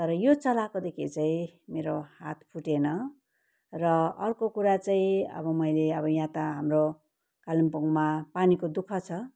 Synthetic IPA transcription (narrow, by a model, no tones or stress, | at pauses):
t̪ʌɾʌjot͡sʌlakod̪ekʰḭt͡saĩmeɾohat̪ʰpʰuʈenʌ | rʌʌrkokuɾat͡saĩʌ̰bʌmʌjleʌbʌjãt̪aɦamro | kalimpuŋmapanikod̪ukʰʌt͡sʰʌ